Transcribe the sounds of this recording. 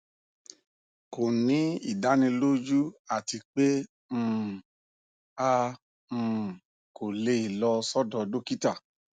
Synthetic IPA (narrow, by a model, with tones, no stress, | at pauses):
ko˨nĩ˨˦i˦˨da˨˦nĩ˧lo˦d͡ʒu˦a˦˨ti˧k͡pe˦ | m̩̃ː˨ | a˧ | m̩̃ː˨ | ko˨le˧i˨lɔ˧sɔ˦dɔ˧do˦ki˦ta˦˨